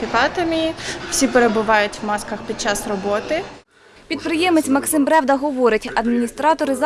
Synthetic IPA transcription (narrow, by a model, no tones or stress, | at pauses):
ikɑt̪ɐmʲiw̥sʲipeɾebʊʋɑjʊtʲʋmɑskɐxpʲid̪̚t͡ʃɑsrɔbɔt̪ɪ | pʲid̪̚pɾɪjɛmɪt͡sʲmɐksɪmbɾɛwd̪ɐɦɔʋɔɾɪtʲɐd̪mʲinʲist̪ɾɑt̪ɔɾɪz